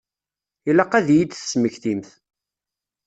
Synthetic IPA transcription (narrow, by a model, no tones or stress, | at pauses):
ilæqæðjid̪θə̥sməçθimθ